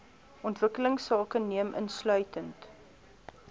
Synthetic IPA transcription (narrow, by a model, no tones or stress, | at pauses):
ʔɔntvəkələŋsɑːkəniəmʔə̰nslœɥtənt